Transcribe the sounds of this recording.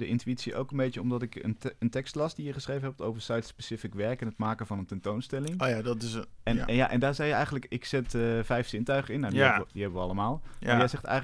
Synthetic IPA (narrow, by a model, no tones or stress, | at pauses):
dəʔɪntyitsiʔo̰wkənbejjəɔmdɑtɪkə̰nəntɛkstlɑstdijəχəsrejvənɦɛp̚towvəɹsajtspesɪfɪkʋɛɹkɛnətmaːkəvɑnəntɛntownstɛlɪŋojadtɪsɛnja̰ʔɛndaːɹzɛjəɛjχən̩ləkɪksɪtəvɛjfsɪntœɥχəɪnːadiɛdiɦɛbəʋəɑlˠəmaːlˠajɛjzɛχtɛ̰j